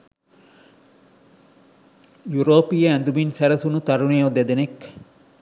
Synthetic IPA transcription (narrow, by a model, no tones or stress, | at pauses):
juɾoːpijɐænd̪uminsæɾɐsunut̪ɐɾuneːod̪ed̪enek